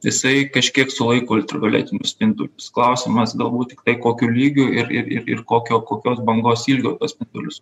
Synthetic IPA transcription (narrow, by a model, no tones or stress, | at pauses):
jɪsɐɪkɐʃʲkʲiɛksʊlˠɐɪkoːɔlʲt̪ʲɾʲɪɡɐlʲæ̰ːt̪ʲɪnʲʊspʲɪnd̪ʊlʲʊsklˠɐʊsʲɪmɐsɡɐlˠbuːt̪̚tʲɪ̥kt̪ɐɪkoːkʲulʲiːɡʲʊɪɾɪɾɪ̰ɾɪ̰koːkʲoːkoːkʲoːsbɐŋɡoːsilʲɡʲoːt̪uɔspʲɪnd̪ʊlʲʊs